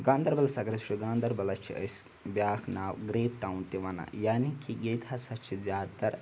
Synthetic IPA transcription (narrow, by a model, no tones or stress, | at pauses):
ɡãːnd̪ɐɾbɐlɐsɐɡɾɐt͡ʃʃʰiɡãːnd̪ɐɾbɐlɐt͡ʃʰḭɐ̰s | bʲjaːkʰnaːʋɡɾeːp̚ʈaːwnt̪iʋɐna̰jaːnikiɡeːt̪ɐsɐt͡ʃʰizʲjaːt̪ɐɾ